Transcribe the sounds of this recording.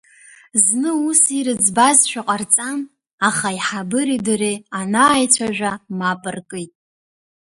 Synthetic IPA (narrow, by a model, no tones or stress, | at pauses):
znɨusiɾɨd͡zbazʃᶣaqʼart͡sʼan | aχaiħabɨɾidrianaːjt͡ɕʷʰaʒᶣʷamapʼɨrkʼɨjtʼ